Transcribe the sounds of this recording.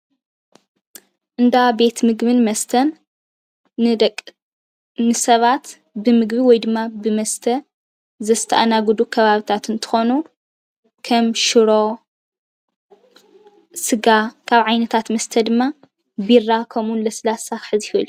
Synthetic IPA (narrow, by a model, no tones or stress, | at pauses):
ʔɨnd̪abe̞t̪mɨɡbɨnmɐst̪ʰɐn | ɨsɐβat̪ | bɨmɨɡbiwɔjd̪ɨmːabɨmɐst̪ʰɐ | zɐst̪ʰɐʔanaɡd̪ukʰɐβaβɨt̪ʰat̪ɨnt̪ʰɨ̥xo̞nu | kʰɐmʃɨɾo̞ | sɨɡakʰaβʕajnɐt̪ʰat̪mɐst̪ʰɐd̪ɨmːa | birakʰɐmunlɐslasaħɨzihlːu